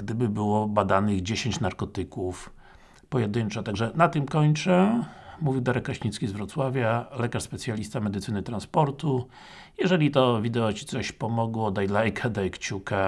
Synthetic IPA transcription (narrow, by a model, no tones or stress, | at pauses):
ɡ̥d̪ɘbɘbɘwɔbad̪anɘɣd͡ʑeɕeɲt͡ɕnaɾkɔt̪ɘkuf | pɔjɛd̪ɘnt͡ʂɔt̪aɡʐɛnat̪ɘmkɔɲt͡ʂɛmuvʲiwd̪aɾɛkːaɕɲit̪skʲizvɾɔt̪swavʲjalɛkaʂspɛt̪sʲjalʲist̪amɛd̪ɘt̪sɘnɘt̪ɾanspɔɾt̪u | jɛʐɛlʲit̪ɔvʲid̪ɛɔt͡ɕit̪sɔɕpɔmɔɡwɔd̪ajlajkʰad̪ajkt͡ɕuka